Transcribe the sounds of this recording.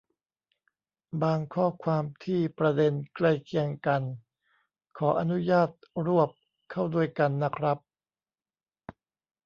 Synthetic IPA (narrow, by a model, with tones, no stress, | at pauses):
baː˧ŋkʰɔː˥˩kʰwaː˧mt̪ʰiː˥˩pɾa˧de˧nkla˥˩jkʰi˧əŋka˧n | kʰɔː˩˦ʔa˧nu˦˥jaː˥˩t̪̚ɾu˥˩əp̚ | kʰːa˥˩wdu˥˩əjka˧nːa˦˥˩kʰɾa˦˥p̚